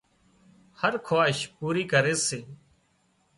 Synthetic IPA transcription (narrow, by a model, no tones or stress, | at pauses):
həɾkʰoaːʃpuːɾiːkəɾeːseː